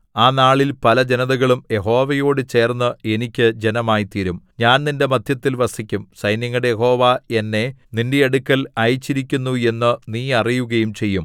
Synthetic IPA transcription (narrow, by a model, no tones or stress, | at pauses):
aːnaːɭilpɐlɐd͡ʑe̞nɐðɐɣɐɭumje̞ɦo̞ːʋɐjo̞ːɽɨt͡ɕe̞ːrnːɐe̞nikʲːɨd͡ʑe̞nɐmaːjit̪iːɾumɲaːnninde̞mɐd̪ʱjɐt̪ːilʋɐsikʲːumsɐjnjɐŋːɐɽejeɦo̞ːʋae̞nːe̞ninde̞ːɽukʲːɐlɐjt͡ɕːiɾikʲːunːue̞nːɨniːɐrijuɣɐjumt͡ɕe̞jːum